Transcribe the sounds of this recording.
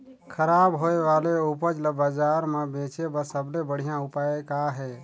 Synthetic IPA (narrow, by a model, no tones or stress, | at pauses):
kʰəɾabɦoeʋaleupəd͡ʒləbəd͡ʒaɾmebẽt͡ʃebəsəblebəɽ̤ijãupaekaɦɛ